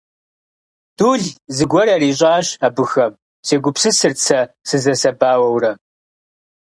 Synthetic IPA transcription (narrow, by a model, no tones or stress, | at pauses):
d̥uːɮzɨɡʷɔɾɐriːɕ̬ʼaːɕabɨxɐm | seːɡʷʊpsɨsɨrt͡sʰɐ | sɨzɐsɐbaːwɐwrɐ